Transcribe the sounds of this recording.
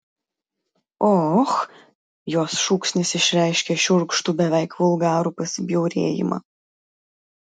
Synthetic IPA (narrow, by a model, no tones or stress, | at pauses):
ɔx | joːsʃuːksʲnʲɪsɪʃʲɾʲɛɪʃʲkʲeʃʲʊɾkʃt̪uːbʲɛʋʲɛɪkʋʊlˠɡɑːɾuːpɐsʲɪbʲjɛʊɾʲḛːjɪ̰mɐ̰